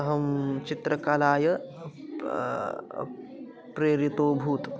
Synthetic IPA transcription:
ɦɐmt͡ʃit̪ɾɐkalaːjɐ | pɾeːɾit̪oːbʱuːt̪

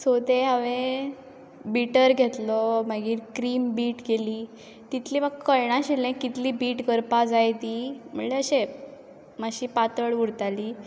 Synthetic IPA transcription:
sot̪eɦaʋẽ | biʈəɾɡʱet̪lɔmaɡiːɾkɾiːmbiːʈɡeliː | t̪it̪ʰliːməɡkəɾɳ̃ãɕilẽkit̪liːbiːʈkəɾpad͡zajt̪iːm̤ə̰ɳleəɕe | maɕiːpat̪əɭʋuɽt̪aliː

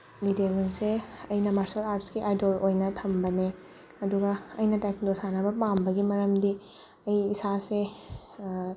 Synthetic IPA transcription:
lideɡunseɐjnɐmaɾsɐlaɾtskiʔajdolojnɐtʰɐmbɐne | ɐduɡɐɐjnɐtakdosanɐbɐpambɐɡimɐɾɐmdi | ɐjisase

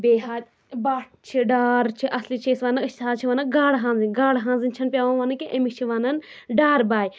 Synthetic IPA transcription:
beːɦaːɾ | baːʈʰt͡ʃʰiɖaːɾt͡ʃʰiʔɐslit͡ʃʰeːsʋaːnɐɨʃt̪ʰaːt͡ʃʰiʋaːnɐɡaːɽɦãːnzɨnʲɡaːɽɦãːnzɨnʲt͡ʃʰɐnpʲjaːʋãʋaːnɐkeʔemikt͡ʃʰiʋaːnɐn | ɖaːɾbaːji

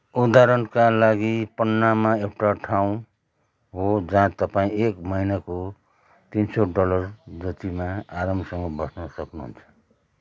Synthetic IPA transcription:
ud̪aɾʌnkalaɡipʌnːamaewʈaʈʰaw̃ | ɦod͡zaãt̪ʌpaĩekmʌinako | t̪insoɖʌlʌrd͡zʌt̪imaaɾʌmsʌŋɡʌbʌsnʌsʌknuɦṵnt͡sʰʌ̥

